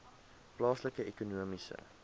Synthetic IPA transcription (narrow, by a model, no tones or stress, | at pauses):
plɑːsləkəekunuəmisə̰